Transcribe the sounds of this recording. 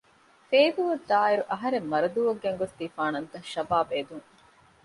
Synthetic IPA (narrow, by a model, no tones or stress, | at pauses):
feːd̪uʋɐd̪aːiɾuʔɐɦɐɾemːɐɾɐd̪uʋɐɡːeŋɡot̪ːiːfaːnɐnt̪ɐʃɐbaːbeːd̪uŋ